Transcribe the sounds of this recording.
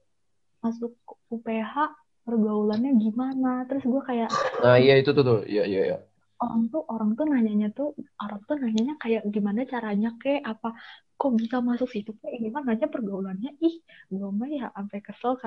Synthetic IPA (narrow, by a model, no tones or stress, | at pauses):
masʊkːupeɦaʔ | pərɡaulanɲaɡimanat̪əɾʊsɡuakajaʔaijait̪ut̪ut̪ʊhḭjaḭja̰ja̰ | oɾa̰ŋt̪ʊʔoɾaŋt̪ʊnaɲaʔɲat̪ʊoɾaŋt̪ʊnaɲaʔɲakajaʔɡimanat͡ʃaɾaɲakɛʔapa | kɔbisamasʊksɪht̪ukaʔɡimanaɲapərɡaulanɲaɪhɡuamajaʔːmpakəsəlk